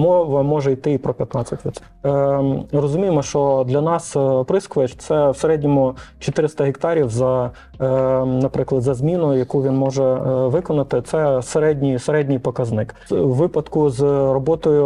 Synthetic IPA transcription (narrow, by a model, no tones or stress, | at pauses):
mɔʋɐmɔʒɛjt̪ɪipɾɔpʲjɐt̪nɑt͡sʲːɐtʲʋʲi | rɔzʊmʲijemɔʃt͡ʃɔd̪lʲɐnɑspɾɪskʋɛt͡ʃt̪sɛwseɾɛdʲnʲɔmʊt͡ʃɔt̪ɪɾɪst̪ɐɦʲɪkt̪ɑɾʲiwzɐ | nɐpɾɪklˠɐd̪zɐzmʲinʊjɐkuʋʲinmɔʒɛʋɪkɔnɐt̪ɪt̪sɛseɾɛdʲnʲijseɾɛdʲnʲɪjpɔkɐznɪk | ʋɪpɐd̪kʊzrɔbɔt̪ɔjʊ